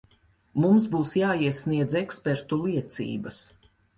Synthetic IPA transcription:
mumsbuːsjaːiɛsniɛd̪zekspeɾt̪ulˠiɛt̪sḭːbɐs

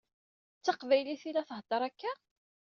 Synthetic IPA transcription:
t͡sːɑqvæjliθilæθəɦd̪̥ɑɾˤækːæ

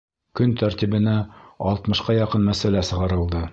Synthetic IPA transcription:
kɵnt̪æɾt̪ʲiβɘ̆næɑlˠt̪mɤ̆ʃqɑjɑqɤnmæsælæsɤ̆ʁɑɾɤ̆lˠd̪ɤ

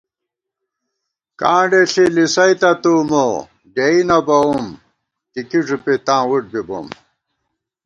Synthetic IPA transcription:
kãːɳɖeɬilisɐjt̪ɐt̪uːmo | ɖeinɐbɐum | t̪ikiʐupet̪ãːwuʈ̚bibo̰m

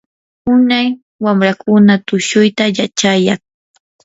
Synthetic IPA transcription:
ʊnaj | wamɾakʊnat̪ʊʃʊjt̪ajat͡ʃajaŋ

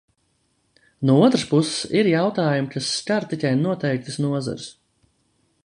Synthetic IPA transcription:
nuɔuɔt̪ɾɨspussiɾjawt̪aːjumkasːkaɾt̪icʲɛjnuɔt̪ɛjk̚t̪ɨsnuɔza̰ɾs

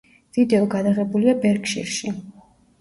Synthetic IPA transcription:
v̥id̪ɛɔɡad̪aʁɛbuliabɛɾkʃḭɾʃi

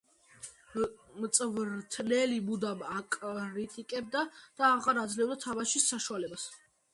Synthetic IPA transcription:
mt̪sʼvɾt̪ʰnɛlimud̪amakʼɾit̪ʼikʼɛb̚d̪ad̪̥aːʁaɾad̪zlɛvd̪at̪ʰamaʃisːaʃualɛbas

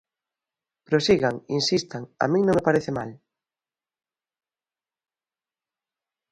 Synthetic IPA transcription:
pɾosiɣaŋinsist̪aŋa̰mĩŋnõŋmepaɾeθɪmal

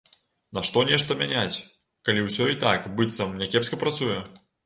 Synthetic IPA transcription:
nɐʂt̪ɔnʲɛʂt̪ɐmʲanʲat͡sʲ | kalʲiwsʲɔit̪akbɨt̪sɐmnʲɛkʲɛpskɐpɾat̪sujɛ

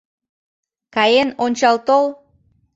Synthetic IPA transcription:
kɑjenonʲt͡ɕɑlt̪ol

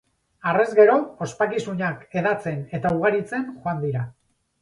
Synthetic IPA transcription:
are̞zɡe̞ɾo̞ːspakisuɲake̞ðat͡se̞ne̞t̪auɣ̞aɾit͡se̞nʝoand̪iɾa

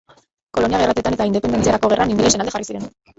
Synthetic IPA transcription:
ko̞lo̞niaɣerat̪et̪ane̞t̪aind̪epend̪ent͡siaɾako̞ɣ̞e̞rʔanind̪ilesenald̪earisiɾe̞n

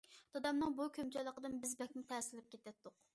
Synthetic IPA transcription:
d̪̥ɑd̪ɑmnɨŋbukʲʰømt͡ʃɑjlˠəqəd̪ɨnbɪzbɛk̚ʲmut̪ʰɛsɪlɪp̚kʲʰet̪ʰɛt̪ʰːʊq

